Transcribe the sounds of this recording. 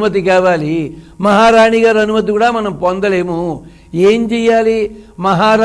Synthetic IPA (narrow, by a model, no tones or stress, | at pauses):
mɐt̪̬ikaːʋaːli | mɐɦaːɾaːɳiɡaːɾɐnumɐt̪̬ikuːɽaːmɐnɐmpond̪ɐle̞ːmu | eːmd͡ʒɛjːaːlimɐɦaːɾa